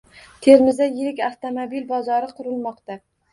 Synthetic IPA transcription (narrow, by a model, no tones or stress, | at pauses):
t̪ʰe̞ɾmɪzd̪ajɪɾɪkʲaft̪ʰomobilbɒzɒɾɪqʰʊɾɪlmɒqt̪a